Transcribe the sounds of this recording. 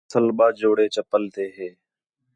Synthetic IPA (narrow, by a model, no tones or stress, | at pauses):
t̪ʰəlɓaːd͡ʒoːɽeːt͡ʃəpəlt̪ʰeːɦeː